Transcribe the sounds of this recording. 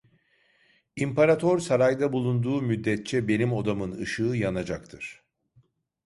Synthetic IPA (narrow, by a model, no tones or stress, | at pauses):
impʰaɾat̪ʰo̞ɾsaɾajd̪abulˠund̪uːmyd̪ːɛt̪̚t͡ʃʰɛbe̞nimo̞d̪amɯnɯ̰ʃɯːjanad͡ʒakt̪ʰɯɾ̥